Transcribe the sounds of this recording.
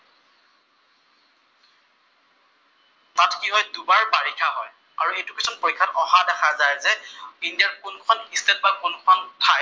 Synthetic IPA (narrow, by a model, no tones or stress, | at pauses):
tatkiɦɔjdubaɹpaɹikʰaɦɔj | a̰ɹuejtukesʰɔnpoɹikʰːatɔhadɛxʰazajzɛindiaɹkunkʰɔnistɛt̚bakunkʰɔntʰaj